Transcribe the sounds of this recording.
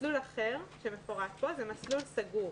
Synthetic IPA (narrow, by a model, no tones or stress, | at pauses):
lulaχeʁʃemefoʁatbo̞zemaslulsaɡuʁ